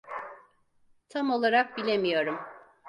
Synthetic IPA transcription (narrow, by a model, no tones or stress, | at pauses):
t̪ʰamo̞lˠaɾak̚bilʲe̞mijo̞ɾum